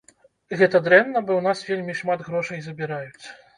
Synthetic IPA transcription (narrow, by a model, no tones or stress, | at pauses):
ɣɛt̪ɐd̪ɾɛnːɐbɔwnasvʲelʲmʲiʂmad̪ɣɾɔʂɐjzɐbʲiɾajut͡sʲ